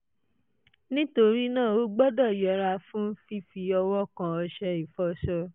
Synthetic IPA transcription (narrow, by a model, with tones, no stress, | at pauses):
nĩ˦to˧ɾi˦nãː˦˨o˨˦ɡ͡bɔ˦dɔ˦˨jɔ˨˧˦ɾa˧fũ˦n̩˦fi˦fi˧ɔ˧wɔ˦kã˧ɔ˧ʃɛ˧i˨fɔ˦ʃɔ˧